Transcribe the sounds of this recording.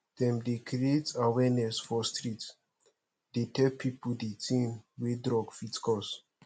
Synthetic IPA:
d̥ɛ̃mdekɾietawɛnɛsfɔstɾit | d̥etʰɛlpʰipudetʰĩnwedɾɔɡfitkʰɔs

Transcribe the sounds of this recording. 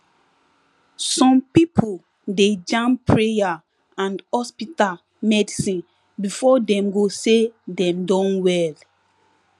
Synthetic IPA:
sɔ̃mpipʰol | ded͡ʒãmpʰɹeja | ãndhɔspita | mɛdisĩn | bifɔdɛ̃mɡosedɛ̃mdɔ̃nwɛl

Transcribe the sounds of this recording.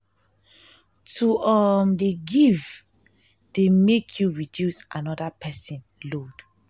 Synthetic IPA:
tuɔmdeɡiv | d̥emekʰjuɹidjusãnɔdapʰɛsĩnlod̥

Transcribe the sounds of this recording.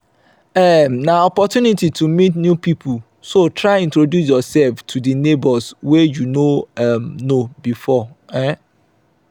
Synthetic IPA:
ɛmnãɔpɔtjunititʰumĩtnjũpipʰu | sotʰɹaɪĩntɾodjus̬jɔsɛlftʰudinebɔswɛjunoɛmnobifɔɛ̃

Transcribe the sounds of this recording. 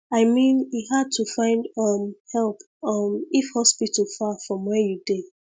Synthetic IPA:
aɪmĩnjiɦad̚tʰufãɪ̃ndʌmhɛlˠp | ʌmifhɔspitəl̩fafɹɔ̃mwɛjude

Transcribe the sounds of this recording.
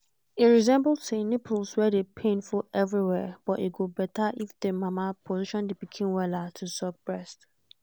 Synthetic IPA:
iɹizɛ̃mbɔldsenepʰulswɛdepʰẽnfɔʔɛvɹiwɛb̥ɔtiɡobɛtaʔifdemamapʰɔziʃɔ̃ndepikʰĩnwɛlatʰusɔk̚b̥ɹɛst

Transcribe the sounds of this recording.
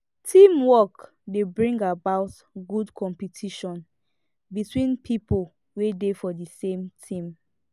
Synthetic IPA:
tʰĩmwɔk | debɹĩŋɡabaʊt | ɡudkʰɔ̃mpitʰiʃɔ̃n | bitwĩnpʰipol | wedefɔdisẽmtʰĩm

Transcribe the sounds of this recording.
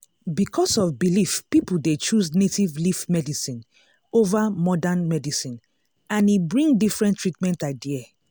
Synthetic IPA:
bikʰɔsɔfbilifpipuldet͡ʃusnetivlifmɛdisĩn | ovamɔdãnmɛdisĩn | ãnibɹĩŋdifɹɛ̃ntɹitmɛ̃ntadiɛ

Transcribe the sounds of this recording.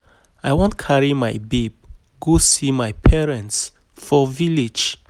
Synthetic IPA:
ajwɔ̃ntkʰaɹimajbeb̚ | ɡosimajpʰɛɹɛ̃nts | fɔvilid͡ʒ

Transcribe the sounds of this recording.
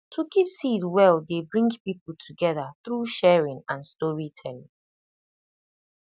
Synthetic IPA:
tʰukʰipsitwɛlˠdebɹĩŋɡpipl̩ˠtʰuɡɛðəθɹuʃɛɹĩŋãnstɔɹitʰɛlɪ̰̃ŋ

